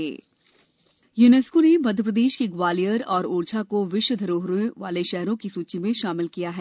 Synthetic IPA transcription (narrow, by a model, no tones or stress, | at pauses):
eː | juːneskonemɐd̪ʱjəp̬ɾəd̪eːʃkiɡʋaːlijəɾɔːɾuːɾt͡ʃʰakoʋɪʃwəd̪ʱɐɾoːɦɾeʋaːleʃɛɦɾõkisuːt͡ʃimẽʃaːmɪlkijaɦɛː